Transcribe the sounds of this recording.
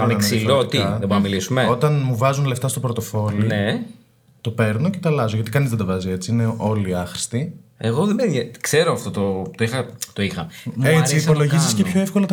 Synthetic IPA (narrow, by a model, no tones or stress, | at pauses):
ɐneɐnksilot̪iɐðeboɾnɐmilisumeo̞t̪ɐnmuvɐzunle̞ft̪ɐst̪o̞pɾot̪o̞fo̞line | t̪o̞pe̞ɾno̞ce̞t̪ɐlɐzoʝɐt̪ikɐnizðed̪ɐvɐzie̞t͡siine̞ʔo̞liɐxɾi̥st̪ieɣoðemejɐkseɾoɐft̪ot̪ot̪oixɐt̪o̞ixɐ̰et͡siːspo̞lo̞ʝiziscepço̞efko̞lɐt̪